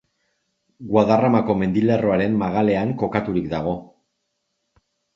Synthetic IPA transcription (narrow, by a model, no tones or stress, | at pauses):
ɡwaðaramako̞me̞nd̪ilero̞aɾemːaɣale̞aŋko̞kat̪uɾikd̪aɣ̞o̞